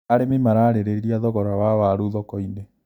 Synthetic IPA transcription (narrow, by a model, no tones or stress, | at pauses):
aɾememaɾaːɾeɾeɾiɾiaðɔɣɔɾawawaɾuðɔkɔine